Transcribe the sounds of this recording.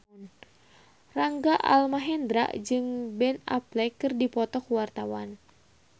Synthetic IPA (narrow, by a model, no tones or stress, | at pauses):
n | raŋɡaʔa̰lmaɦɛnd̪ɾa̰ʔd͡ʒɨŋbɛna̰plɛkɨrdipɔt̪ɔkwart̪awan